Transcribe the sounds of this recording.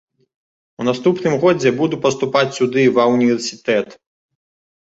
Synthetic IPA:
unast̪upnɨmɣɔd͡zʲɛbud̪upɐst̪upat͡sʲsʲud̪ɨvɐwnʲivʲɛrsʲit̪ɛt̪

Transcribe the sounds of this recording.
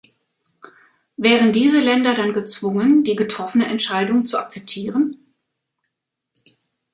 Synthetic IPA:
vɛːʁəndiːzəlɛndɐdanɡət͡sv̥ʊŋəndiːɡətʁ̥ɔfənəʔɛntʃaɪdʊŋt͡sua̰k̚t͡sɛp̚tʰiːʁən

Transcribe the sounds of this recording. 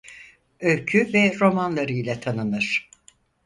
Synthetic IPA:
ølʲcʰyvɛɾo̞manlˠaɾɯjlʲat̪ʰanɯnɯɾ̥

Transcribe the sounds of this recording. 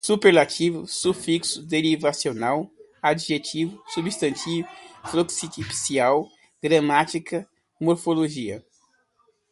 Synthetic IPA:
supeɾlat͡ʃivʊ̰sufiksʊd̪eɾivasionaw | ad͡ʒʒet͡ʃivʊsubist̪ɐ̃nt̪ivʊfloksit̪ipi̥siaw | ɡɾɐ̃mat͡ʃikɐ | moɾfoloʒiɐ̰

